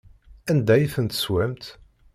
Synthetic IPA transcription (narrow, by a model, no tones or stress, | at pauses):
ænd̪æjiθənt̪ə̥swæmt̪